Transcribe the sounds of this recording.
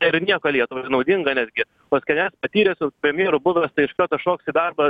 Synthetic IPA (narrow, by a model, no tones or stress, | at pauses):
ɐɪɾnʲiɛkoːlʲiɛt̪ʊʋonɐʊd̪ʲɪŋɡɐnʲæd̪ʲɡʲɪ | pɐsʲkʲɛnʲɛspɐt̪ʲiːɾʲɛsʲʊpʲɾʲɛmʲjiɛɾʊbʊʋʲɛst̪ɐɪɪʃkɐt̪ɐʃoːksɪd̪ɐrbɐ